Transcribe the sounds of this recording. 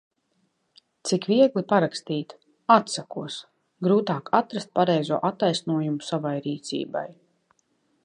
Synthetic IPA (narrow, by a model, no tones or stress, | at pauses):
t̪sikviɛɡlˠipaɾakst̪iːt̪ | at̪sakuɔs | ɡɾuːt̪aːkat̪ɾast̪̚paɾɛjzuɔʔat̪ːajsnuɔjumusavajɾiːt̪sḭːba̰j